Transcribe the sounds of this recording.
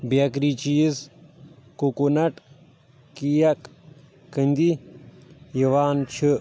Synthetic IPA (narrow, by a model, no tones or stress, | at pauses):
bjɐkɾit͡ʃiːz | kukunɐʈ | kijɐkː | ənʲd̪i | jiʋaːnt͡ʃʰɨ